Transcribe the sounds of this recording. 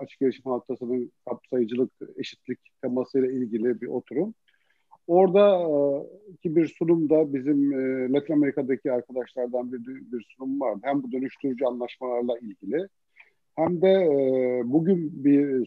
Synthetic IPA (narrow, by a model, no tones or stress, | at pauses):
at͡ʃʰɯ̥k̚ɟeɾʲiʃimhat̪ʰasɯnɯnkʰap̚sajɯd͡ʒɯlˠɯke̞ʃi̥t̪ʰlʲict̪ʰamasɯjlˠailʲɟilʲibiʔo̞t̪ʰuɾum | o̞ɾd̪a | icʰibiɾsunumd̪abizimlʲˠat̪ʰiname̞ɾikʰad̪acʰiaɾkʰad̪aʃlˠaɾd̪anbiɾd̪biɾsunumvaɾd̪ɯhæmbud̪ø̞nyʃt̪ʰyɾyd͡ʒyanlˠaʃmalˠaɾlˠailʲɟilʲɪ | hæmd̪ɛ | buɟynbi